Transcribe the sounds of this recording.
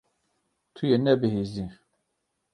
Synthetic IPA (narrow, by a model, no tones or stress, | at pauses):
t̪ʰujenɛbɨɦizi